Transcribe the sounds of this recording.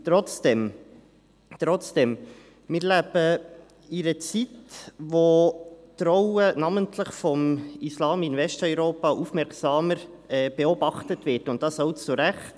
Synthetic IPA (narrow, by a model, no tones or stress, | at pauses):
t̪ɾɔt͡sd̥ɛm | t̪ɾɔt͡sd̥ɛm | mɪːɾlæb̥ə | iɾət͡sitʋotɾɔwənɑməntʰləχfɔmislɑːmɪnvɛstœʏɾoːpɑʔufmɛɾksɑːməɾ | ɛːb̥eɔbɑχtətʋɪtʊnt̚d̥ɑsɔʊt͡suɾæχt